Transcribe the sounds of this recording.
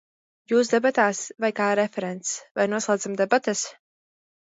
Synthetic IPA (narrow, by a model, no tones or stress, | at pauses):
juːs̬d̪ɛbat̪aːsvajkaːɾɛfɛɾɛnt̪svajnuɔslˠaːd̪zamd̪ɛbat̪es